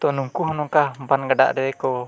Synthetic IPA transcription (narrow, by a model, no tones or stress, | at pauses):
t̪ɔnuŋkuɦnɔkambanɡada̰ʔdɛɛkɔ